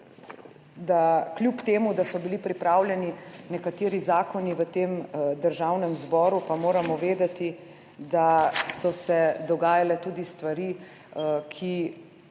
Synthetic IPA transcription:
d̪aklʲjupt̪eːmud̪asɔbilipɾipɾaːwljɛninɛkat̪eːɾizaːkɔniʋət̪eːmd̪əɾʒawnɛmzbɔːɾupamoːɾamɔʋeːd̪at̪i | d̪asɔsɛd̪ɔɡaːjalɛt̪uːd̪ist̪ʋaɾi | kʰi

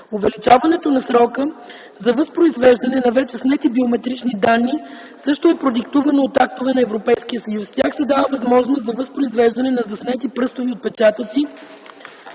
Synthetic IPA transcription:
ʊvɛlit͡ʃavɐnɛt̪onɐsɾɔkə | zɐvəspɾoizvɛʒd̪ɐnɛnɐvɛt͡ʃɛsnɛt̪ibiomɛt̪ɾit͡ʃnid̪anːi | sɤʃt̪oɛpɾod̪ikt̪uvɐnoːt̪ak̚t̪ovɛnɐɛvɾopɛjskijəsɐjusst̪ʲjaxsɛd̪avəvɐzmɔʒnoszɐvəspɾoizvɛʒd̪ɐnɛnɐzɐsnɛt̪ipɾɤst̪oviot̪̚pɛt͡ʃat̪ət̪si

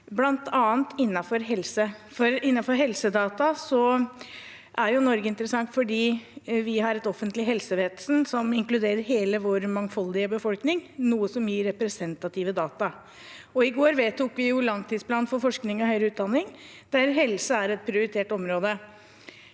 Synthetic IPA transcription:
blɑnt̪ʰɑːnt̪ɪnːɑfɔɾɦɛlsə | fɔɾɪnːɑfɔɾɦɛlsəd̪ɑːt̪ɑsɔ | ʔæɾjʊnɔɾɡəɪnt̪əɾəsɑŋt̪fɔɖiːʋɪɦɑɾɛt̪ɔfənt̪lɪɦɛlsəʋeːd̪sn̩sɔmɪŋklʉd̪eːɾəɾɦeːləʋoːɾmɑŋfɔld̪ɪəbəfɔlknɪŋnuːəsɔmjiːɾːɛpɾɛsɛnt̪ɑt̪ʰiːʋəd̪ɑːt̪ɑ | ɔɪɡoːɾʋeːt̪ʰʊkʋɪjʊlɑŋt̪ʰiːd̪spʰlɑːnfɔɾfɔʂknɪŋɔhœʏɾəʉːt̪̚d̪ɑnːɪŋ | d̪̥æɾɦɛlsəæɾɛt̪̚pʰɾɪʊɾɪt̪ʰeːʈɔmɾoːd̪ə

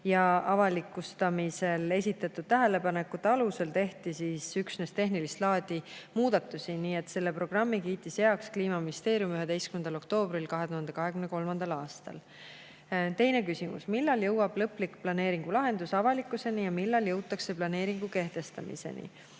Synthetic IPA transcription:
jɑʔɑvɑlikːˑust̪ɑmise̞le̞s̬ʲit̪ːˑɑt̪ːˑud̪̥̚t̪æɦe̞le̞pɑne̞kːˑut̪ːɑluse̞lt̪e̞ht̪isisyksnest̪e̞ɦnilist̪lɑːd̪̥imuːd̪̥ɑt̪ːˑusiniːe̞t̪se̞lːe̞pro̞ɡ̥rɑmːikiːt̪ːˑisjeɑkskliːmɑminist̪e̞ːɾijumyɦe̞d̪e̞jskymend̪ɑlo̞kt̪o̞ːbɾilkɑɦe̞t̪uhɑnd̪ekɑɦe̞kymne̞ko̞lmɑnd̪̥ɑlɑːst̪ɑ̰l | t̪e̞jne̞kysimṵsmilːɑljɤwɑb̥lɤplikplɑne̞ːɾiŋɡ̥ulɑɦe̞nd̪̥usɑvɑlikːˑuse̞nijɑmilːɑljɤwt̪ːˑɑkse̞plɑne̞ːɾiŋɡ̥uke̞ht̪e̞st̪ɑmḭsḛnḭ

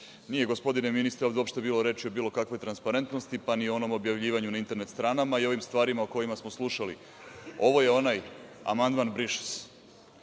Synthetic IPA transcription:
nije̞ɡo̞spo̞d̪ineminist̪ɾeovd̪opʃt̪e̞biːlˠo̞ɾe̞t͡ʃiobiːlˠo̞kakʋo̞jt̪ɾanspaɾe̞nt̪no̞st̪ipanioo̞no̞mo̞bjaʋʎiːʋaɲunaint̪e̞ɾnet̪st̪ɾaːnamaio̞ʋimst̪ʋaːɾimaoko̞jimasmo̞slˠuʃalḭ | o̞ʋo̞je̞o̞naj | a̰mand̪manbɾiʃi̥s

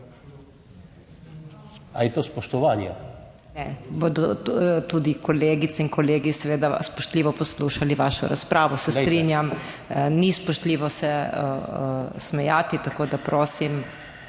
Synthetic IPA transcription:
a̰jɛt̪ospɔʃt̪ɔʋaːnja | nɛbod̪ɔt̪uːd̪ikɔleːɡit̪sɛinkɔleːɡisɛʋeːd̪aspɔʃt̪liːʋɔpɔsluːʃaliʋaʃɔ̰ɾa̰spɾaːʋɔsɛstt̪ɾinjam | nispɔʃt̪liːʋɔsɛ̰ | smɛjaːt̪it̪akoːd̪apɾoːsim

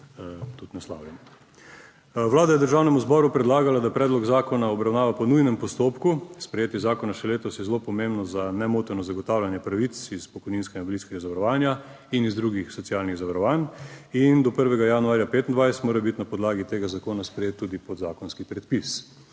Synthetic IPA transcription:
t̪ut̪nasla̰ːwlʲɛn | ʋlaːd̪ajɛd̪əɾʒaːwnɛmuzbɔɾupɾɛd̪laːɡalad̪apɾɛːd̪lɔɡzaːkɔnaɔbɾawnaːʋapɔnujnɛmpɔst̪oːpkuspɾɛjeːt̪jɛzaːkɔnaʃɛleːt̪ɔsjɛzlopɔmembnɔzanɛmoːt̪ɛɾnɔzaɡɔt̪aːwlʲjanjɛpɾaʋit̪sispɔkɔjninskɛɡabliskɛɡazaʋaɾɔʋaːnja | inizd̪ɾuɡixsɔsiaːlniɣzaʋaɾɔʋaːnind̪ɔpəɾʋɛɡajanuaːɾjapeːt̪ind̪ʋajst̪moːɾabit̪napɔd̪laːɡit̪eːɡazakoːnaspɾɛjet̪ːuːd̪ipɔd̪zaːkɔnskipɾɛt̪̚pis

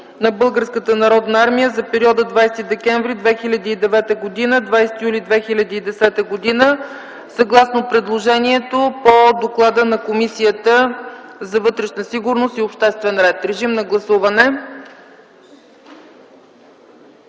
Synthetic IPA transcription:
nɐbɤlˠɡəɾskət̪ənɐɾɔd̪nɐaɾmijəzɐpɛɾiɔd̪əd̪vajst̪id̪ɛkɛɱvɾid̪vɛxilʲɐd̪iːd̪ɛvɛt̪əɡod̪inəd̪vajsɛ̥t̪ijulʲid̪vɛxilʲɐd̪iːd̪ɛsɛt̪əɡod̪inə | sɐɡlˠasnopɾɛd̪lˠoʒɛniɛt̪opod̪oklˠad̪ənɐkomisijət̪əzɐvɤt̪ɾɛʃnəsiɡʊɾnost̪iopʃt̪ɛst̪vɛnɾɛt̪ɾɛʒimnɐɡlˠɐsuvɐnɛ

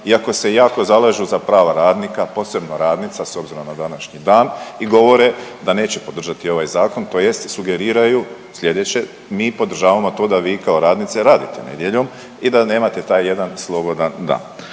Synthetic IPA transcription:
iako̞se̞jaːko̞zalˠaʒuzapɾaːʋaɾaːd̪nikapo̞ːse̞bnoɾaːd̪nit̪saso̞bziɾo̞mnad̪anaʃɲid̪aːniɡo̞ʋo̞ɾed̪ane̞ːt͡ɕepo̞d̪r̩ʒat̪io̞ʋajzaːko̞nt̪o̞ːje̞st̪suɡe̞ɾiːɾaju | sʎe̞d̪et͡ɕe | miːpo̞d̪r̩ʒaːʋamo̞t̪o̞ːd̪aʋiːkao̞ɾaːd̪nit̪seɾaːd̪it̪enḛd̪je̞ʎo̞m | id̪ane̞ːmat̪e̞t̪aːjːe̞d̪anslˠo̞bo̞d̪and̪a̰ːn

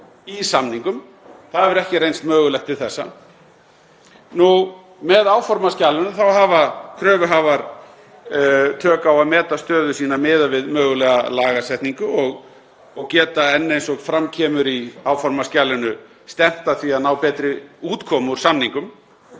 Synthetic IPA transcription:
isamniŋkʏm | θaðɛvɛɾɛhcɪɾejnst̪mœːɣʏlɛhxt̪ʰɪlθɛsːa̰ | nu | mɛðaːwfɔɾmascaːlʏnʏθawɦaːvakʰɾœːvʏɦavaɾ | t̪ʰœːkaawaðmɛːt̪ast̪œːðʏsiːnamɪːðavɪðmœːɣʏlɛːɣalaːɣasɛht̪niŋkʏɔɣ | ɔɣcɛːt̪aɛnːejnsɔkfɾamcʰɛːmʏɾiawfɔɾmascaːlʏnʏ | st̪ɛm̥t̪aθviaðnaːwpɛːt̪ɾɪuːt̪kʰɔːmuɾ̥samniŋkʏm

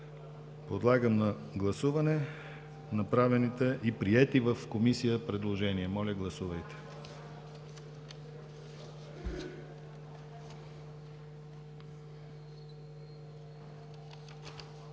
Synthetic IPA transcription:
pod̪lˠaɡəmnɐ | ɡlˠɐsuvɐnɛ | nɐpɾavɛnit̪ɛʔipɾiɛt̪ivəfkomisijəpɾɛd̪lˠoʒɛniɛmɔlʲəɡlˠɐsuvɐjt̪ɛ̥

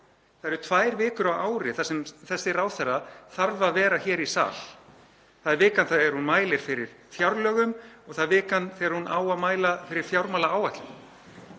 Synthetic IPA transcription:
θaðɛɾʏt̪ʰvaːjɾvɪːkʏɾawaːwɾɪθasɛmθɛsːɪraːwθɛrːaθaɾvaðvɛːɾaçɛːɾisa̰ːl | θaðɛɾvɪːkanθaðɛɾ̥hunmaːjlɪɾ̥fɪɾɪɾ̥ | fjawɾlœːɣʏmɔɣθaðvɪːkanθɛɾhunʔaːwaðmaːjlafɪɾɪɾ̥fjawɾmaːlaaːwvat̪lʏ

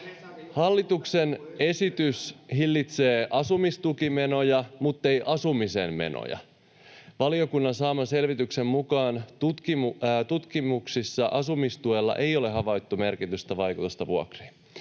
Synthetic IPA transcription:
hɑlːit̪uksene̞sit̪yshilːit̪se̞ːʔɑsumist̪ukimeno̞jɑmut̪ːe̞jʔɑsumisḛmmḛno̰jɑ̰ | ʋɑlio̞kunːɑnsɑːmɑse̞lʋit̪yksemmukɑːnt̪ut̪kimt̪ut̪kimuksisːɑʔɑsumist̪uelːɑ̰ʔejoleɦɑʋɑjt̪ːume̞rkit̪yst̪ɑʋɑjkut̪ust̪ɑʋuo̰kri̥ː

